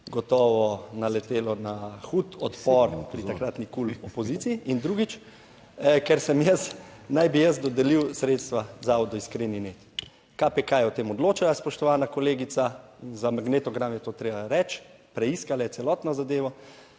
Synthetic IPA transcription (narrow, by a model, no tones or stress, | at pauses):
ɡɔt̪ɔːʋɔnalɛt̪eːlɔnaxut̪ɔt̪pɔɾpɾit̪akɾat̪nikulɔpɔzit̪siiʔind̪ɾuːɡit͡ʃ | kɛɾsɛmjəsnajbijəzd̪ɔd̪ɛliwsɾeːt̪st̪ʋazaɔd̪ɔiskɾeninet̪ | kapekajɛwt̪eːmɔd̪loːt͡ʃalaspɔʃt̪ɔʋaːnakɔleːɡit̪sazamaɡneːt̪ɔɡɾamjɛt̪oːt̪ɾeːbaɾɛt͡ʃ | pɾɛiskalajɛtsɛlɔt̪nɔzad̪eːʋɔ